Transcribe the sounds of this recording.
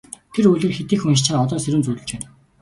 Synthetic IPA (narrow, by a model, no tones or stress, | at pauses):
t̪ʰeɾujɮɘ̆rxet̪iːxuŋiʃt͡ɕaːɔt̪ɔːseɾuːnt͡sujɮɘ̆t͡ɕpæːn